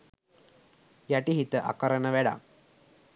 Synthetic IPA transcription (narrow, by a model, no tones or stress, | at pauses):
jæʈiɦit̪əʔa̰kəɾənəʋæɖa̰k